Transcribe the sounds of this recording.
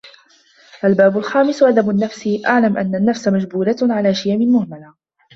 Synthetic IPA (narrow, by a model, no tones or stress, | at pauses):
ʔalbaːbʊlxaːmɪsʔad̪abʊnːafsɪʔaʕlamʔa̰nːanːafsamad͡ʒbuːlaʕalaːʃɪjamɪlmʊhmala